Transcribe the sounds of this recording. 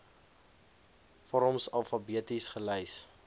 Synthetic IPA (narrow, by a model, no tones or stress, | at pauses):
fɔɾɔmsɐlˠfɐbiətisχəlɛjs